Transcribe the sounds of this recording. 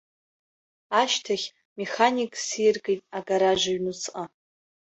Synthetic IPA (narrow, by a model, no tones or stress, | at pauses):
aʃtʰaχʲ | me̞χanikʼsirɡejtʼaɡaɾaʒʷaɥnut͡sʰʼqʼa